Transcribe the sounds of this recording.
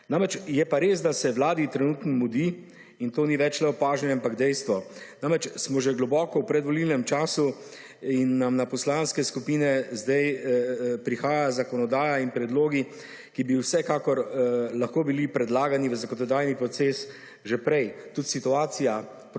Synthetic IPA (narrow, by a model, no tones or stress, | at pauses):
namɾɛt͡ʃjɛpaɾeːs̬d̪asɛwlaːd̪it̪ɾɛnuːt̪nɔmud̪i | int̪oːniʋɛt͡ʃlɛɔpaːʒnɛɛampaɡd̪ɛjst̪ʋɔnamɾɛt͡ʃsmɔʒɛɡlɔbɔːkɔwpɾɛd̪ʋɔlilnɛmt͡ʃaːsu | inːamnapɔslanskɛskupiːnɛzd̪aj | pɾixaːjazakɔnɔd̪aːjainpɾɛd̪loːɡi | kibiwsɛkaːkɔɾlaxkoːbilipɾɛd̪laːɡaniʋəzakɔnɔd̪aːjnipɾɔt̪seːs | ʒɛpɾɛjt̪ut̪sit̪uaːsija | p